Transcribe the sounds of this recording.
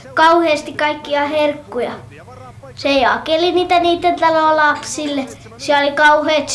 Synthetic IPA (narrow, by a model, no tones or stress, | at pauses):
kɑuheːst̪ikkɑikːiɑherkːujɑ | sejɑkeliniːt̪æniːt̪ːent̪ɑloˑlɑpsilːe | siæolikɑuheːt̪